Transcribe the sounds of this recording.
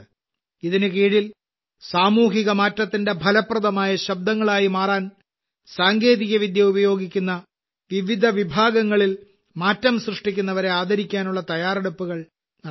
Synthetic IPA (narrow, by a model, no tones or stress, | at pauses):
iðinɨkiːɻil | saːmuːɦiɣɐmaːtːɐt̪ːinde̞bʱɐlɐprɐðɐmaːjɐɕɐb̚d̪ɐŋːɐɭaːjimaːraːn | saːŋɡe̞ːðiɣɐʋid̪jɐubɐjo̞ːɡikʲːunːɐ | ʋiʋid̪ʱɐʋibʱaːɡɐŋːɐɭil | maːtːɐmɕrɨʂʈikʲːunːɐʋɐɾe̞aːd̪ʱɐɾikʲːaːnuɭːɐt̪ɐjaːreɽɐpːuɣɐɭ | nɐ